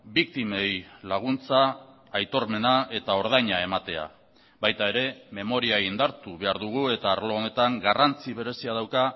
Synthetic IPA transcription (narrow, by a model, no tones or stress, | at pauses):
bik̚t̪ime̞jlaɣ̞unt͡saː | jt̪o̞ɾme̞nae̞t̪ao̞ɾð̞ajɲae̞mat̪e̞a̰ | bajt̪ae̞ɾe̞me̞mo̞ɾiaind̪aɾt̪uβe̞aɾðuɣ̞ue̞t̪aːɾlo̞ːne̞t̪aŋɡarant͡siβ̞e̞ɾe̞siað̞awka